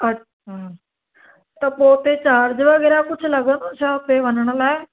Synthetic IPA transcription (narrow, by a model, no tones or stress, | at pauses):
ə | t̪əpoːt̪eːt͡ʃaːɾd͡ʒeʋəɡɛːɾaːkʊt͡ʃʰləɡənːsãːpeːʋənɳəlɛː